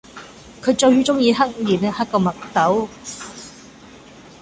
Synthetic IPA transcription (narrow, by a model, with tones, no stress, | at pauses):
kʰɵ˨˧ɥt͡ʃɵ˧ɥhyː˥t͡sʊ˥ŋjiː˨˧ɦɐ˥k̚jiː˨˩nhɐ˥kːɔː˧mɐ˨k̚t̪ɐ˨˥w